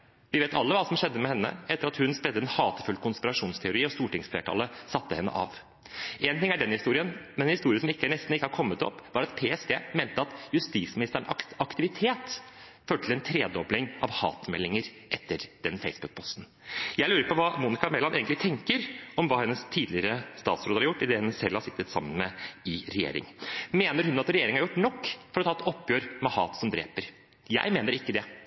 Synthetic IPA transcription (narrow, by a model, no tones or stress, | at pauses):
ʋɪʋeːt̪ɑlːəʋɑːsɔmʂɛd̪ːəmɛhɛnːə̰ɛt̪ːəɾɑt̪hʉnspɾɛd̪ːəɛnhɑːt̪əfʉlkʰʊnspɪɾɑʂuːnst̪ʰɛʊɾiːɔst̪uːʈɪŋsfḛːʈ̪ʰɑ̰ləsɑt̪ːəhɛnːə̰ʔɑ̰ʋ | ʔeːnt̪ɪŋæɖɛnhɪst̪uːɾɪənmɛnɛnhɪst̪uːɾɪəsɔmɪkːənɛst̪n̩ɪkːəhɑɾkʰɔmːət̪ɔ̰pːʋɑɾɑt̪̚pʰeːɛsd̪ḛːmeːnt̪əɑt̪jʉst̪iːsmɪnɪst̪əɳɑɑkt̪ɪʋɪt̪ʰeːt̪ | føːʈəlɛnt̪ʰɾeːd̪ɔblɪŋʔɑ̰ʋhɑ̰ːt̪mɛlːɪŋəɾ | ʔɛt̪ːəɾd̪̥ɛnfeɪsbʉk̚pʰɔst̪n̩ | jæɪʉːɾəpɔʋɑːmuːnɪkɑmɛlɑnḛːɡənɪt̪ʰɛŋkəɾɔmʋɑːhɛnːəst̪ʰiːd̪lɪɾəst̪ɑːt̪sɾoːd̪əhɑɾjʊʈːɪd̪ɛhɛnsɛlːhɑʂsɪt̪ːət̪sɑ̰mːənmɛɪɾɛjḛːɾɪ̰ŋmeːnəɾhʉnɑt̪ɾɛjeːɾɪŋhɑɾjʊʈːnɔkːfɔɾɔt̪ʰɑːɛt̪ɔpːjøːɾmɛhɑ̰ːt̪sɔmd̪ɾḛːpəɾ | jæ̰ɪmeːnəɾɪkːəd̪ɛ